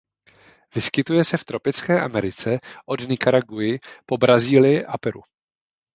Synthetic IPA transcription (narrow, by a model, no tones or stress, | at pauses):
vɪskɪt̪ujɛsɛft̪ɾo̞pɪt͡skɛːʔamɛɾɪt͡sɛʔo̞dnɪkaɾaɡujɪpo̞bɾaziːlɪjɪʔapɛɾṵ